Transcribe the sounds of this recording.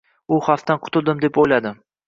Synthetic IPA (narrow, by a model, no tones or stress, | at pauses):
ʊhaft̪ːanqʰʊ̥t̪ʊlˠd̪ɪmd̪e̞pojlad̪ɪ